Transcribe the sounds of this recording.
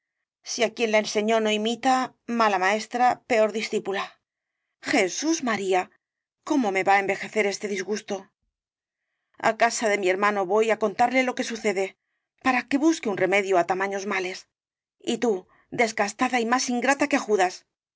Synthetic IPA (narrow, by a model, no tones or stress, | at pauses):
siakje̞nlaense̞ɲo̞no̞imit̪a | malamae̞st̪ɾape̞o̞ɾðisθipula | xe̞suzmaɾia | ko̞mo̞me̞βae̞mbe̞xe̞θe̞ɾe̞st̪e̞ðizɣust̪o̞ | a̰kasaðe̞mie̞ɾmãno̞βo̞jako̞nt̪aɾle̞lo̞ke̞suθe̞ðe̞ | paɾake̞βuskeunre̞me̞ðjoat̪amãɲo̞zmale̞s | it̪u | d̪e̞zɣast̪aðaimasiŋɡɾat̪akexuðas